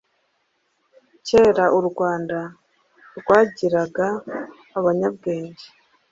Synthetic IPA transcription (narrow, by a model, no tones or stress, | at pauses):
ce̞ːɾaʔuɾɡwaːnda | ɾɡwaːɟiɾaɡaː | βaɲab̚ɡe̞ːɲɟe